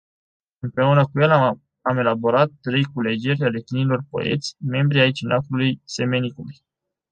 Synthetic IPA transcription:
ɨmpɾe̞unəkuje̞l | ame̞labo̞ɾat̪̚ːɾe̞jkule̞d͡ʒerʲale̞t̪inilo̞rpo̞̰e̞̰t̪sʲme̞mbɾiait͡ʃinʔakulujse̞me̞nikuluj

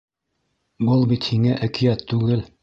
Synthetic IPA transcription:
bɤlˠbit̪hiŋæʔækijæt̪ʰːʉɡɘl

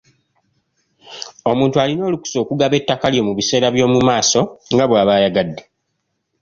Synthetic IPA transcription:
o̞muːntualino̞ːluku̥so̞ːkuɡaβe̞tːakaljo̞muβise̞ːɾaβjo̞ːmumaːso̞ŋɡaβwaːβaːjaɡadːe

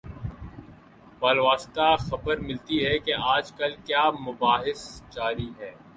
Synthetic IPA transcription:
paːlʋaːst̪axɐbəɾmɪlt̪iɦɛkeaːd͡ʒkɐlkjaːmʊbaːɦɪsd͡ʒaːɾiɦɛː

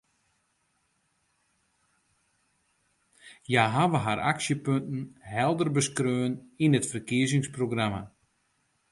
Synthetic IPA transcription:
jaɦaʋəɦaɾʔa̰ksjəpøntn̩ɦɛlˠdərbəskrøːəninətfərkiəzɪŋsproɡrama

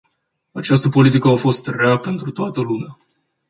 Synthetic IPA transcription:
at͡ʃast̪əpo̞lit̪ikəafo̞st̪reape̞nt̪ɾut̪oat̪əlumea

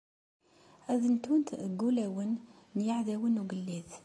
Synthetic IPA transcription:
æðənt̪wənt̪ɡːulæwənː | jaʕðæwənuɡəlːið

